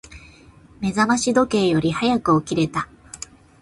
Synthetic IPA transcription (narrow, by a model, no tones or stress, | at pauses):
me̞zamaɕid̪o̞ke̞ːjo̞ɾʲihajakɯ̟okʲiɾe̞t̪a